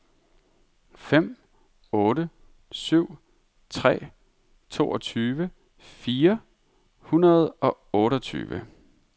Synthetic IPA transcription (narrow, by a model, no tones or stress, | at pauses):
fem̰ | ɔːɾə | syʊ̰ | t͡sʰʁɛ̰ː | t͡sʰo̝ːɒt͡sʰyːʋə | fiːɐ | hunɐð̞̩ˠɒ̽ɔ̽ːɾɒt͡sʰy̰ːʋə̰